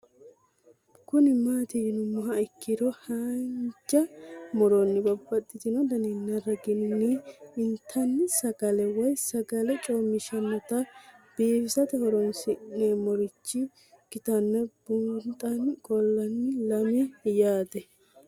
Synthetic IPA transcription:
kʊnɪmaːt̪ɪjɪnʊmːɐɦɐɪkːɪd̪ɔhɐnd͡ʒɐmɔɾɔnːɪbɐbːɐt̪ʼːɪd̪ɪnɔd̪ɐninːɐɾɐɡɪnːiɪnt̪ʰːɐnːsɐɡɐlɛwɔjsɐɡɐlɛt͡ʃʼɔmɪʃɐnːɔt̪ɐb̥eːfɪsɐt̪ɛhɔɾɔnsɪnːɛmɔɾɪt͡ʃːɪ | ɡ̥ɪt̪ɐnːɛb̥ʊnt̪ʼɐnkʼɔlːɐnːɪlɐmɛjaːd̪ɛ

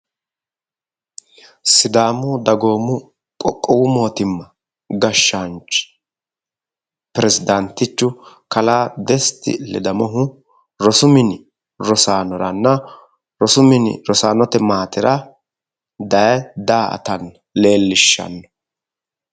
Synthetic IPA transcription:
sɪd̪aːmʊd̪ɐɡo̞ːmʊ | kʼɔkʼːɔwʊmo̞ːt̪ɪmːɐ | ɡɐʃːant͡ʃʼ | pɾɛzɪd̪ɐnt̪ːɪt͡ʃːʊkɐlaːd̪ɛst̪ɪ̰lɛ̰d̪ɐmɔɦʊ | ɾɔsʊmɪnɪ | ɾɔsaːnɔɾɐnːɐ | ɾɔsʊmɪnɪ̰ɾɔsaːnɔt̪ɛmaːt̪ɪɾɐ | d̪ɐjɛd̪aːɐ̰t̪ɐn | le̞ːlːɪʃːɐ̰nːɔ

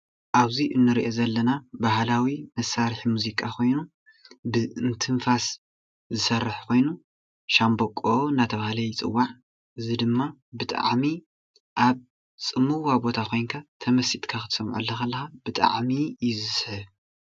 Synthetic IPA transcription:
ʔaβziʔɨnːɨɾiʔo̞zɐlːɐnabahlawimɐsaɾħimuzikʼakʰo̞jnu | bɨɨnt̪ʰɨɱfas | zɨsɐrːɨħkʰo̞jnu | ʃambokʼːonat̪ʰɐβahlɐjt͡sʼɨ̰wːaʕ | ʔɨzid̪ɨmːabɨt̪ʼa̰ʕmi | ʔaβ | t͡sʼɨmːuwabo̞t̪ʰakʰo̞jnkʰat̪ʰɐmɐsit̪ʼkʰakɨt̪ʰsɐmʕṵlːɐxɐlːɐxab̥ɨt̪ʼa̰ʕmijɪzɨsħɨβ

